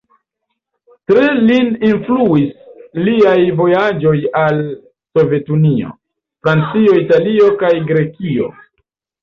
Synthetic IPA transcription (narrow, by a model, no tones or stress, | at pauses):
tɾelininfluisliajvo̞jad͡ʒo̞jal | so̞ve̞tunio̞̰ | fɾant͡sio̞italio̞kajɡɾe̞kio̞̰